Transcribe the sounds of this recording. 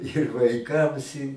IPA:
ɪr ʋɐɪˈkɐms ɪ

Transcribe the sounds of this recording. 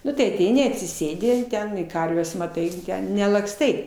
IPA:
ˈnʊ tɐɪ ɐˈtʲɛɪnʲɪ ɐtʲsʲɪˈsʲeːdʲɪ tʲɛn ɪ ˈkɐrʲʋʲɛs mɐˈtɐɪ nʲɛlˠɐkˈstɐɪ

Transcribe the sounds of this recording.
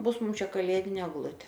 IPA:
ˈbʊs ˈmʊm ˈt͡ʃʲɛ kɐˈlʲeːdʲɪnʲeː ɛɡˈlˠʊtʲeː

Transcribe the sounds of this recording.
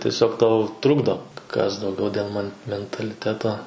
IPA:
tʲiɛˈsʲoːk ˈtɐʊ ˈtrʊɡdoː kɐs dɐʊˈɡʲɛʊ dʲeːlˠ mɐn mʲɛntɐlʲɪˈtʲæːtoː

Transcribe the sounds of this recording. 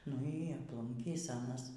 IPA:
nʊ iː ɐpˈlˠʊŋʲkʲiːs ˈɑːnɐs

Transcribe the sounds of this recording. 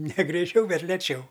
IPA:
nʲɛ ɡrʲɛɪˈt͡ʃʲɛʊ ˈbʲɛt lʲɛˈt͡ʃʲɛʊ

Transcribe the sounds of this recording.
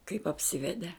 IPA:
kɐɪp ɐpʲˈsʲɪʋʲɛdʲɛ

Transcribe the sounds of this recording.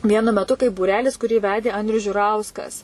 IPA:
ˈʋʲiɛnʊ mʲɛˈtʊ kɐɪp buːˈrʲæːlʲɪs kʊˈrʲiː ˈʋʲæːdʲeː ˈɐnʲdʲrʲʊs ʒʲʊˈrɐʊskɐs

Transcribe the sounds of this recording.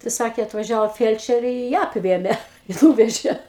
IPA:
tɐɪ ˈsɑːkʲeː ɐtʋɐˈʒʲæːʋoː ˈfʲiɛlʲt͡ʃʲɛrʲeː ɪ ˈjæː ɐpʲˈʋʲeːmʲeː ɪ ˈnuːʋʲɛʒʲeː

